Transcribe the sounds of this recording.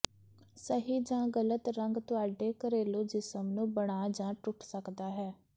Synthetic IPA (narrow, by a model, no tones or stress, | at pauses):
səɦiːd͡ʒãːɡələt̪ɾəŋɡt̪ʊaːɖeːkəɾeːloːd͡ʒɪsəmnũːbəɽaːd͡ʒãːʈʊʈʰsəkd̪aːɦɛː